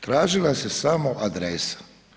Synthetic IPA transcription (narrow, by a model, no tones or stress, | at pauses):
t̪ɾaːʒilase̞samoʔad̪ɾesḁ